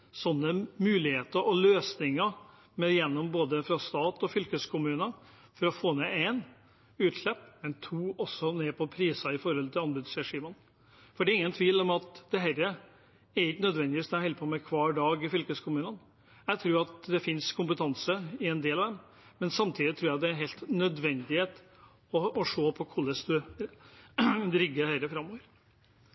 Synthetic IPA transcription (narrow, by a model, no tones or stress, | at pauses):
sɔnːəmʉːlɪheːt̪əɾʔɔløːsnɪŋə | mɛjɛnːɔmboːd̪əfɾɑst̪ɑːt̪ɔfʏlkəskʰʊmʉːnə | fɔɾɔfoːneeɪn | ʉːt̪ʂɭɛpːmɛnt̪ʰuːɔsɔneːpʰɔpʰɾiːsɑɪfɔɾɔlt̪ʰɪlɑnbʉd̪sɾɛʂiːmən | fɔɖɛɾɪŋːənt̪ʰʋiːlɔmɑt̪d̪̥ɛɦɛɾə | ɛɾɪknœd̪ʋɛnd̪ɪiːst̪ɛɛɛlpʰɔmɛkʰʋɑːɖɑːɡɪfʏlkəskʰʊmʉːnən | jæɪt̪ʰɾʉːɾɑt̪d̪ɛfɪnskʰʊmpət̪ʰɑnsəɪɛnd̪eːlɑʋd̪ɛm | mɛnsɑmt̪ʰiːd̪ɪt̪ʰɾʉːɾjæd̪ɛæɾɦɛɪlt̪nœd̪ʋɛnd̪ɪheːt̪ | ɔːʂoːpʰɔkʰʊlːəsd̪ʉ | d̪ɾʏɡːəhɛɾəfɾɑmːoːʋəɾ